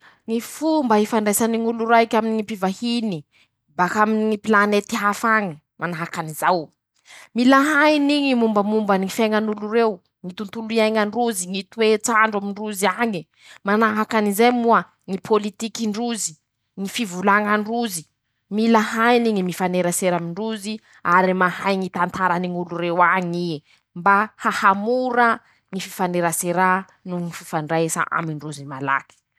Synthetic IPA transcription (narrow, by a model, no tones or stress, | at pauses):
ŋifumbaɦifaɳɖ͡ʐesaniŋuluɾajkʲaminiŋipivahini | bakaminiŋipilanet̪iɦafaŋi | mʔanaɦakanizaw | milaɦainiɲimumbəmumbənifeŋanuluɾew | ŋit̪unt̪uliajŋaɳɖ͡ʐuziŋit̪wet͡saɳɖ͡ʐamiɳruziaɲi | manaɦakanizejmuə | ŋipʰolit̪ikiɳɖ͡ʐuzi̥ | ŋifivulaŋaɳruzi | milahajniŋimifaneɾaseɾamiɳɖ͡ʐuzi | aɾimahajŋit̪ant̪aɾaniŋuluɾewaɲi | mbahahamuɾa | ŋififaneɾaseɾa | nuŋifi̥faɳɖ͡ʐaesa̰ʔa̰miɳɖ͡ʐuzimala̰ki̥